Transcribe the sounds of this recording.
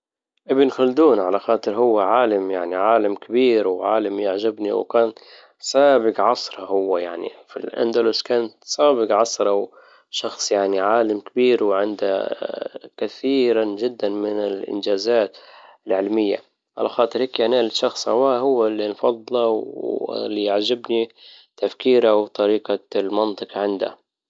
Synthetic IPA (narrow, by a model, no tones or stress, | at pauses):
ʔɪbɪnxald̪uːnʕalaxɑːt̪ˤɨɾɦʊwːaʕaːlamjaʕniʕaːlamkabiːɾwʕaːlamjaʕʒɪbnḭwkaːn | saːbɪqʕɑsˤɾˤɑhʊwːajaʕnḭfḭlʔa̰nd̪alʊskaːnsaːbɪɡʕɑsˤɾˤɑw | ʃɑxsˤjaʕniʕaːlamkɪbiːɾwʕɪnd̪a | kaθiːɾand͡ʒɪd̪ːanmɪnɪlʔɪ̰nd͡ʒaːzaːt̪ɪlʕɪlmɪjːa̰ | ʕa̰laxɑːt̪ˤɨɾhiːkjaʕnalʃɑxsˤha̰waːhʊwːalːinfɑd̪ˤːɨlɑwɪ̰lːijaʕd͡ʒɪbni | t̪afkiːɾawt̪ˤɑɾiːqalmɑnt̪ˤɨqʕɪnd̪a̰